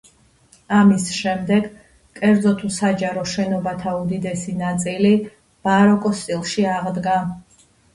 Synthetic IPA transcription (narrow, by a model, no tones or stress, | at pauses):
amisʃɛmd̪ɛɡ | kʼɛɾd̪zɔt̪ʰusad͡ʒaɾɔʃɛnɔbat̪ʰaud̪id̪ɛsinat̪sʼili | b̥aɾɔkʼɔst̪ʼilˠʃiaʁd̪ɡa